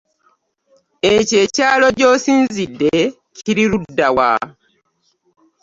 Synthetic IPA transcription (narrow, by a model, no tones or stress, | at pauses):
ece̞ːcaːlo̞ɟoːsiːnzidːe | ciɾiɾudːawa̰